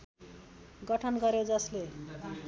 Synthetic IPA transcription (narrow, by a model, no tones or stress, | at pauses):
ɡʌʈʰʌnɡʌɾjed͡zʌsle